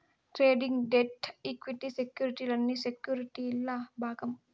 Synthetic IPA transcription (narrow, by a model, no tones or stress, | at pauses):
ʈɾeːɖiŋɡɖeʈikʋiʈisekjuːɾiʈiːlɐnːisekjuːɾiʈiilːabaːɡɐm